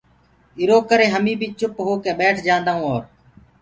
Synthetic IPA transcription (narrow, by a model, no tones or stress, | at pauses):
ɪɾoːkəɾeːɦəmiːbʱit͡ʃʊpɦoːkẽːɓɛːʈʰd͡ʒãːnd̪aːũːoːɾ